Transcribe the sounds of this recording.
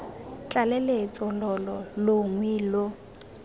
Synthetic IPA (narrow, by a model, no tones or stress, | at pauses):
t͡ɬʼalɛlet͡sʼɔlɔlɔloŋwiːlo